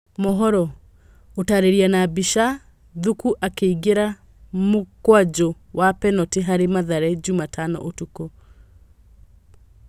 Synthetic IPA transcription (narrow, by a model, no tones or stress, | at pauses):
mɔɦɔɾɔ | otaɾeɾianabiʃa | ðukuʔakeiɡeɾa | mokwad͡ʑo | wapɛnɔteɦaɾemaðaɾɛd͡ʑumatʰanɔ̰ʔotuko